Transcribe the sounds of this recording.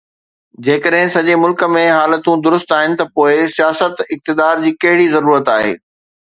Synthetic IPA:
d͡ʑeːkəɗɦɪ̃sɐʄemʊlkə̆mẽɦaːlət̪ũd̪ʊɾʊst̪aːɦɪnɪ̆t̪ɐpoːɪsijaːsət̪ɪk̚t̪ɪd̪aːɾd͡ʑiːkɐɦɪɽizɐɾuːɾət̪aːɦḛː

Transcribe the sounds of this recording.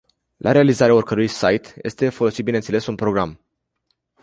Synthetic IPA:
lʔaɾe̞alizaɾeaorkəɾujsajt̪je̞̰st̪e̞fo̞lo̞sit̪binent̪sele̞sunpɾo̞ɡɾam

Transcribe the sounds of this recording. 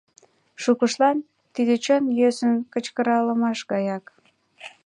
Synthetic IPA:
ʃukəʃlɑn | t̪id̪et͡ɕənjøsənkət͡ɕkəɾɑləmɑʃɣɑjɑk

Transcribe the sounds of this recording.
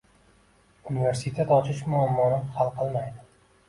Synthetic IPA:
unive̞ɾsit̪ʰet̪ɒt͡ʃʰɪʃmʊamːɒnɪχalˠqʰɨlˠmajd̪ɪ

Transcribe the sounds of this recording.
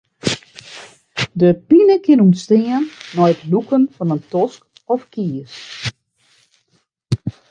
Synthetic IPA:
dəpinəkɪnumstɪənːɔjtlukənfɔnəntɔsk | ɔfkiːəs

